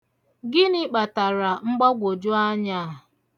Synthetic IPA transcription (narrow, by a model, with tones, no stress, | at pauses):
ɡɪ˦nɪ˦k͡pa˨ta˨ɾa˨ŋ͡m̩˦ɡ͡bɔ˦ɡʷo˨d͡ʒʊ˦a˦ɲa˦˨